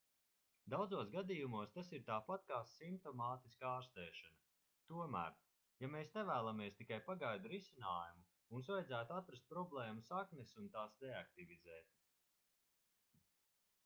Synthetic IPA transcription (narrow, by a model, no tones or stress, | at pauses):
d̪awd̪zuɔsɡad̪ijumuɔst̪asiɾt̪aːpat̪̚kaːsimp̚t̪ɔmaːt̪iskaaːɾst̪ɛːʃanɐ | t̪uɔmæ̰ːɾ | jameːsnɛvæːlˠameɛst̪ikajpaɡajd̪uɾisinaːjumu | unsvajdzæːt̪uat̪ɾast̪̚pɾɔblˠɛːmusaknɛsunt̪aːsɾeak̚t̪ivʲid̪zɛːt̪̚